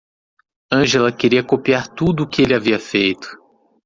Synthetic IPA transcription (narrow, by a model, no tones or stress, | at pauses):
ɐ̃ʒelɐkeɾiɐkopiaɾt̪ud̪ʊːkɪelɪaviɐfejt̪ʊ̥